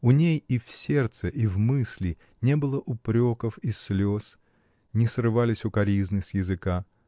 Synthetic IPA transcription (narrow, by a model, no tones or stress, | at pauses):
ʊnʲejifsʲe̞rt̪səʔivmɨsʲlʲɪ | nʲebɨlˠəʔʊpɾʲokəfislʲos | nʲɪsrɨvalʲɪsʲʊkɐɾʲiznɨsʲjɪzɨka